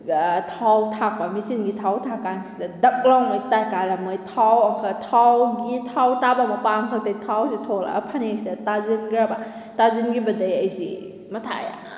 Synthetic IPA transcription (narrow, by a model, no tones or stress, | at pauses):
tʰawtʰakwamisinɡitʰawtʰakansidɐdɐk̚lawmajtajkaɾamɯjtʰawɐkʰatʰawɡitʰawtabamɐpankʰɐk̚tajtʰawzitʰola̰pʰanesidatazinɡɾaba | tazinɡibɐdɐjɐjzi | mɐtʰa̰ja̰